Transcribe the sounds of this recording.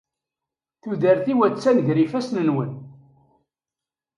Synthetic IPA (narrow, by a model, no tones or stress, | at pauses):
θuðəɾθiwæt͡sːænʝɾifæsnənwən